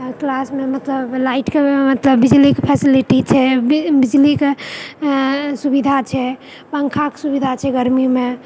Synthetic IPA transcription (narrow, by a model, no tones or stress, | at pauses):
klasmemət̪ləblaiʈkemət̪ləbːid͡ʒlikepʰɛsiliʈit͡ʃʰɛbid͡ʒlike | subid̪ʱat͡ʃʰɛ | pəŋkʰaksubid̪ʱat͡ʃʰɛɡəɾmime